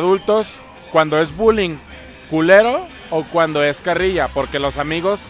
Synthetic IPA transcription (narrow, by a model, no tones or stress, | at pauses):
ðult̪o̞s | kwand̪o̞e̞zβuliŋ | kule̞ɾo̞ː | kwand̪o̞e̞skariʝapo̞ɾke̞lo̞samiɣo̞s